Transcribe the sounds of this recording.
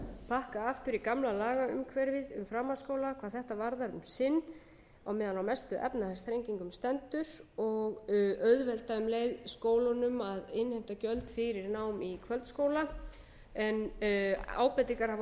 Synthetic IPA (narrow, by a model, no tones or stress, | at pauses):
pʰahkaaft̪ʏɾikamlalaːɣaʏmkʰvɛɾvɪðʏ̰mfɾamːaskowlakʰvaðθɛht̪avaɾðaɾʏmsɪnː | awmɛːðanawmɛst̪ʏʔɛ̰pnaθast̪ʰɾejŋciŋkʏmst̪ɛnt̪ʏɾɔɣœɥðvɛlt̪aʏmleːjðskoːwlanʏmaðɪnhem̥t̪acœlt̪fɪɾɪɾnaːwmikʰvœlt̪skoːwla | ɛn | a̰ːwpɛt̪iŋkaɾ̥ha